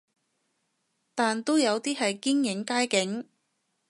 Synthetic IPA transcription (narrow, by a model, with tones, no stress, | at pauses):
t̪aː˨nt̪o˥wjɐ˨˧wt̪iː˥ɦɐ˨jkiː˥ŋjɪ˨˥ŋkaː˥jkɪ˨˥ŋ